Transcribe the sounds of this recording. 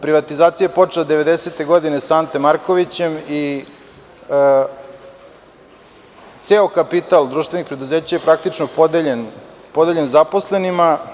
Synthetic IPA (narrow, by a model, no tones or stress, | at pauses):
pɾiʋat̪izaːt̪sijaepo̞t͡ʂelad̪eʋe̞d̪ese̞t̪e̞ɡo̞d̪ine̞sant̪emaɾkoʋit͡ɕe̞mi | t̪seːokapit̪alˠd̪ɾuːʃt̪ʋe̞nixpɾe̞d̪uze̞ːt͡ɕajepɾak̚t̪it͡ʃnopod̪eʎen | po̞d̪eʎenzapo̞sle̞nima